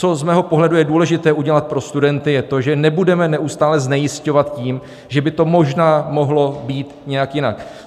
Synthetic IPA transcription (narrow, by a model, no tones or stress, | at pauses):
t͡so̞zmɛːɦo̞po̞ɦlɛdujɛduːlɛʒɪt̪ɛːʔuɟɛlat̪̚pɾo̞st̪udɛnt̪ɪjɛt̪o̞ʒɛnɛbudɛmɛnɛʔust̪aːlɛznɛjɪsco̞vat̪ciːm | ʒɛbɪt̪o̞mo̞ʒnaːmo̞ɦlo̞biːt̪ɲɛjakjɪna̰k